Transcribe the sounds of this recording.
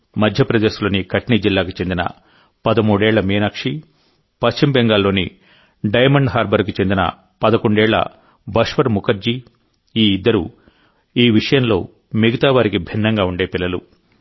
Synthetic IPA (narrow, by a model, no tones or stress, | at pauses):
mɐd̪ʱjɐpɾɐd̪eːʃlo̞ːnikɐʈnid͡ʒilːaːkit͡ʃe̞nd̪inɐ̰ | pɐd̪ɐmuːɽɛːɭːɐmiːnɐkʂi | pɐst͡ʃimbɛŋɡaːlːo̞ːni | ɖɐjmɐɳɖɦaːɾbɐɾk̬it͡ʃend̪inɐ̰ | pɐd̪ɐko̞ɳɖɛːɭːɐ̰ | bɐʂʋɐɾmukɐɾd͡ʒi | iːd̪ːɐɾṵ | iːʋiʂɐjɐmlo̞ː | miɡɐt̪aːʋaːɾikibʱinːɐŋɡaːuɳɖe̞ːpilːɐlṵ